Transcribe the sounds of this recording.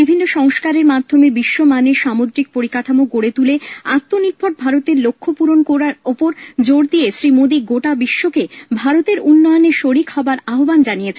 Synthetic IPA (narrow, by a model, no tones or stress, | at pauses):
bibʱinːoʃɔŋʃkaɾeɾmad̪ʱomebiʃːomaneɾʃamod̪ɾik̚poɾikaʈʰamokoɽet̪uleat̪ːoniɾpʰoʈ̚bʱaɾot̪eɾlokʰːopuɾonkoɾaɾopoɾd͡ʑoɽd̪iesɾimod̪iɡoʈabiʃːokebʱaɾot̪eɾunːɔjoneɾʃoɾikhɔbaɾaɦoband͡ʑanijet͡ɕʰen